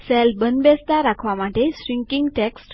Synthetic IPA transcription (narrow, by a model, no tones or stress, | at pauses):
sɛlbənbɛsd̪aɾakʰʋamaʈeɕɾiŋkiŋɡʈeksʈ